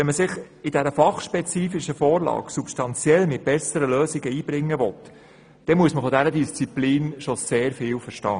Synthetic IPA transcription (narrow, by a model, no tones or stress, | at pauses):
ɛnməsɪχ | ɪdæɾəfɑχʃpɛt͡siːfiʃəfɔːɾlɑ̰ːksupstɑnt͡sjɛlmɪt̚b̥ɛsəɾəløːsɪɡəiːb̥ɾɪŋːəʋɔt̪ | d̥ɛmuəsməfɔdæɾədist͡sipliːnʃɔseːɾfɪːwfəɾʃtɑː